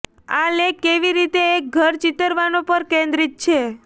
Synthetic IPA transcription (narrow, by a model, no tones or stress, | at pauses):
a̰lekːeʋiɾit̪eːk̚ɡʱəɾt͡ʃit̪əɾʋanopəɾkẽnd̪ɾit̪̚t͡ʃʰe